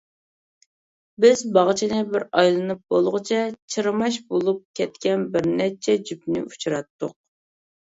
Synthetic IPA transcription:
bɪzbɑʁt͡ʃʰinɨbɪɾɑjlˠɨnɨp̚bolˠʁɨt͡ʃʰɛt͡ʃʰɨɾmɑʃbolˠup̚kʲʰɛt̪kʲɛnbɪɾnɛt͡ʃʰɛd͡ʒypnɪ̰u̥t͡ʃʰuɾɑt̪ːʊq̚

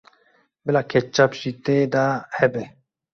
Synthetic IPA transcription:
belakʰet͡ʃːapɕit̪ed̪ahebe

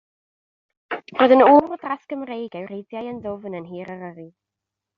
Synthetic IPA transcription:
roːðənuːrdraskəmrejɡɛwɾejdjajəndʊvnənɦiːɾəɾəɾi

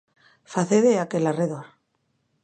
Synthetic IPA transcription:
faθeðeakelareðoɾ

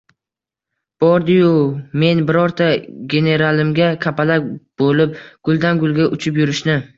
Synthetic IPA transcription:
b̥ɒɾd̪ɪjʊme̞nbɪɾɒɾt̪ʰaɡʲe̞ne̞ɾalɪmɡʲakʲʰapalak̚ʲb̥olɪp̚ɡ̥ʊlˠd̪anɡʊlˠɡʲaʔʊt͡ʃʰɪpjʊɾɪʃnɪ

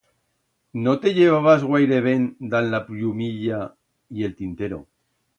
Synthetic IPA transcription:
not̪e̞ʎeβ̞aβ̞azɣwajɾeβ̞end̪anlapʎumiʎa | ie̞lt̪int̪e̞ɾo̰

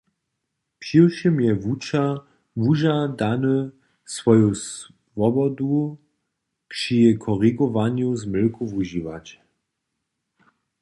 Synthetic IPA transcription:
pɕilʃimjɛvut͡ʃa | vuʒad̪anu | svɔjos | vɔbɔd̪u | pʂikʰɔʁiɡɔvaɲjuzmɘlkuvuʒivat͡ɕ

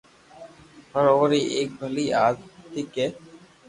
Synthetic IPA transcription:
pʰəɾoːɾiʔeːk̚bʱəliaːzt̪ɪkeː

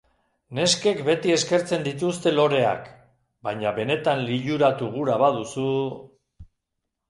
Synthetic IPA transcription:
ne̞ske̞kbe̞t̪ie̞ske̞ɾt͡se̞nd̪it̪ust̪e̞lo̞ɾe̞a̰k | baɲaβe̞ne̞t̪anliʎuɾat̪uɣ̞uɾaβað̞usu

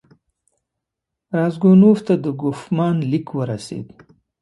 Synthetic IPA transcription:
ɾɑzɡonuft̪ad̪əɡʊfmɑnlikwəɾasḛd̪

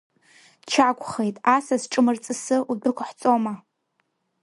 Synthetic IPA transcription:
t͡ʃʰakʷʼχejtʼasasʈ͡ʂʼɨmɨrt͡sʼɨsɨʔudʊkʷʰħt͡sʼoma

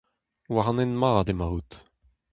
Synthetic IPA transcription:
waʁɑ̃nenmaːd̪emaʁut̪

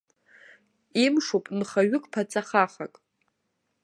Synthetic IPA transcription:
imʂopʼnχaɥɪkʼpʰat͡sʼaχaχakʼ

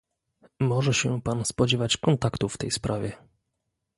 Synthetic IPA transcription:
mɔʐɛɕɛpanspɔd͡ʑɛvat͡ɕkɔnt̪akt̪ufːt̪ɛjspɾʔavʲjɛ

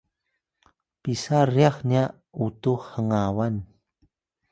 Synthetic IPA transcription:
pisariaxniaʔ | utuhhəŋawan

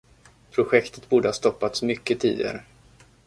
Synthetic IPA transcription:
pʰɾʊɧɛkt̪ə̥t̪buːɖəhaːst̪ɔpːat̪smʏkːət̪ʰiːd̪ɪ̰ɡa̰ɾə

